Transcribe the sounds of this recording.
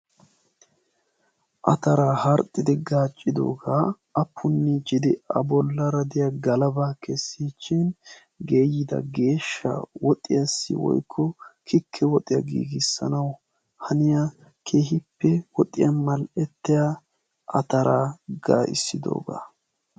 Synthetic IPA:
ʔɐt̪ɐɾaːhɐɾt̪ʼːɪd̪ɪɡaːt͡ʃʼːɪd̪o̞ːɡaː | ɐpʰːʊnːɪd͡ʒɪd̪ɪɐ̰bɔlːɐɾɐd̪ɪjɐɡɐlɐbaːkʰɛsːiːt͡ʃːɪn | ɡe̞ːjɪd̪ɐ̰ɡe̞ːʃːɐ̰wɔt̪ʼːɪjɐsːɪ̰wɔ̰jkʰːɔkʰɪkʰːɛwɔt̪ʼːɪjɐɡḭːɡɪsːɐ̰nɐw | hɐnɪja | kʰeːɦɪpːɛwɔt̪ʼːɪ̰jɐmɐlɛt̪ːɪja | ʔɐt̪ɐɾaːɡa̰ːʔɪ̰sːɪd̪o̞̰ːɡa̰ː

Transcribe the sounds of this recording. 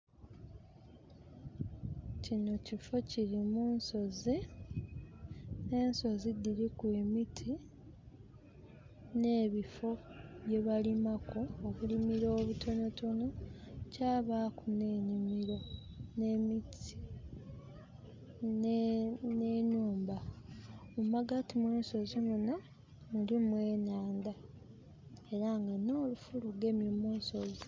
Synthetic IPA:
cino̞cifo̞ciɾimuːnso̞zi | ne̞ːnso̞zidiɾikwe̞ːmitʰi | ne̞ːβifo̞βje̞βalimako̞ːβulimiɾo̞ːβutʰo̞no̞to̞no̞caːβakune̞ːɲimiɾo̞ | nemiti̥ | nenuːmba | mumaɡatimuːnso̞zemuna | mulimwe̞ːnaːnda | e̞ɾaŋɡano̞ːlufuluɡe̞mjomuːnsoz

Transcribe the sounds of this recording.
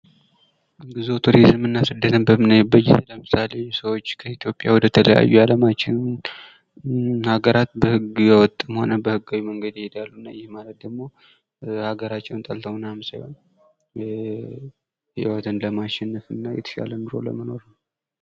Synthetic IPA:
ɡɨzot̪ʰuɾizɨmɨnːasɨd̪ːət̪ʰənbəmɨnajɛbəjːɛləmɨsale̞səwot͡ʃːkʰəit̪jo̞pʼja̰wɔd̪ət̪ʰələja̰jːujaləmat͡ʃːɪn | haɡəɾat̪bəhɨɡɨjɛwɔt̪ʼːɨmho̞nəbəhɨɡːawiməŋɡəd̪jhed̪alːunːajɪhmalət̪̚d̪əɡmo̞ | haɡəɾat͡ʃːɛwnt̪ʼəlt̪ʰəwnamsajo̰n | hɪwɔt̪ʰɨnləmaʃɛnːəfɨnːajɛ̰t̪ʰə̥ʃa̰lənbɨɾo̞̰lə̰məno̞ɾn

